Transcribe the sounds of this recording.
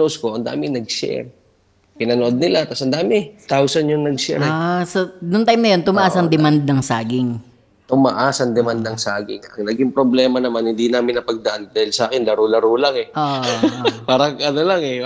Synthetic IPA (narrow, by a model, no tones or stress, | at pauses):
oskoʔɐnd̪a̰ːmɪŋnɐɡ̚sɛ̰ɾ | pɪnɐnoʔod̪̚nɪlat̪asʔɐnd̪aːmɪt̪awsɐnjʊŋnɐɡsɛ̰ɾsɐnʊŋt̪ajmnɐjo̞nt̪ʊmɐʔaːsɐŋd̪ɛmand̪̚nɐŋsaːɡɪŋ | t̪ʊmɐ̰ʔaːsɐŋd̪ɛmand̪̚nɐŋsaːɡɪ̰ŋɐŋnɐɡiŋpɾoblɛːmɐnɐmanhɪnd̪inaːmɪnɐpɐɡ̚d̪ɐʔand̪aːhɪlsɐʔaːkɪnlɐɾulɐɾuːlaŋɛʔoːʔʔpaːɾɐŋʔɐnolaŋɛ